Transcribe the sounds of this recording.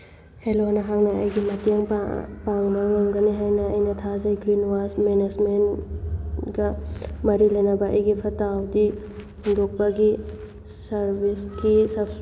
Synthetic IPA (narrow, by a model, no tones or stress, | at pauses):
helonɐɦaŋnɐɐjɡimɐteŋpaŋbɐŋoŋɡɐniɦajnɐːjnɐtʰazɐjɡɾinwasmenezmen | ɡɐmɐɾilɐjnɐbɐɐ̰jɡipʰɐtawdi | hundok̚bɐɡi | sɐɾbiskisɐp